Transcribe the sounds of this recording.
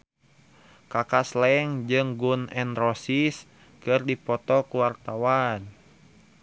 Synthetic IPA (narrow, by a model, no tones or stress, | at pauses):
kakaslɛŋd͡ʒɨŋɡunɛnrɔsis | kɨrdipɔt̪ɔkuwart̪awan